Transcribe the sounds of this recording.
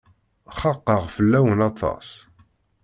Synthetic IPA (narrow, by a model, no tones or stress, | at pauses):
χɑqːəʁfəlːæwənɑt̪ʰɑ̰s